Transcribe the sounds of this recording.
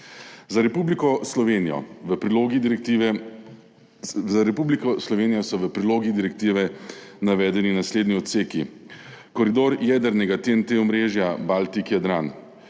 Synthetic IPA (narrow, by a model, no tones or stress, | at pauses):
zaɾɛpublikɔslɔʋeniɔ̰ʋəpɾiloɡi | zaɾɛpublikɔslɔʋeːnijɔsɔʋəpɾiloːɡid̪iɾɛkt̪iːʋɛnaʋɛːd̪ɛninasleːd̪niɔt̪seːkikɔɾid̪oːɾjɛːd̪əɾnɛɡat̪ent̪eɔmɾeːʒjabalt̪ikjad̪ɾan